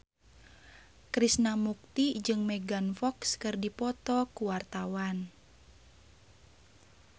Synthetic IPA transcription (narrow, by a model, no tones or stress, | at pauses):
kɾisnamuk̚t̪id͡ʒɨŋmɛɡanfɔkskɨrdipɔt̪ɔkuwart̪awan